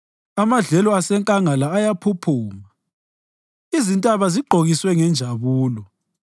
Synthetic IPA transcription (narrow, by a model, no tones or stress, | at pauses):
amaɮɛlɔasɛŋkʼaŋalaːjapʰupʰuːma | izintʼaβaziɡ͡ǃʱoɣiswɛŋɛnd͡ʒʱaβuːlɔ